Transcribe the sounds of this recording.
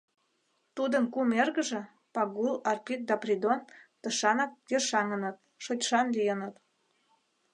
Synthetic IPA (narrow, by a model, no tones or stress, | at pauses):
t̪ud̪ənkumerɣə̆ʒĕ | pɑɣulɑrpik̚d̪ɑprʲid̪ont̪əʃɑnət̪̚jerʃɑŋənə̆t̪̚ | ʃotʲʃɑnlijənət̪